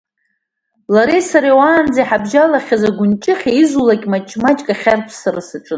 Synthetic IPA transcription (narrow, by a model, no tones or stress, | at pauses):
laɾesaɾewaːnd͡zajħabʒalaχʲazaɡʷʊnt͡ʃʼɪχʲeizulakʲʼmat͡ʃʼmat͡ʃʼkʼaχʲarpʰsaɾasɨʈ͡ʂʼɨn